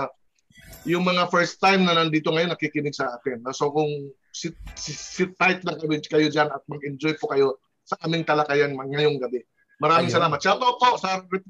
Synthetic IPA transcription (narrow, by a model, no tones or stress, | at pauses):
jʊŋmɐŋafɛɹst̪ːajmnɐnɐnd̪iːt̪oŋɐjo̞nːɐkikɪnɪɡ̚sɐʔaːt̪ɪnːosokʊŋ | sɪsɪsɪt̪ːajt̪̚nɐɡɐbɪkɐjo̞d͡ʒanɐt̪̚mɐɡʔɪnd͡ʒojpokɐjo̞ | sɐʔaːmɪŋt̪ɐlɐkajɐnmɐŋɐjo̞ŋɡɐbɛ | mɐɾaːmɪŋsɐlaːmɐt̪̚t͡ʃat̪opoʔsaːɾɐɾɪ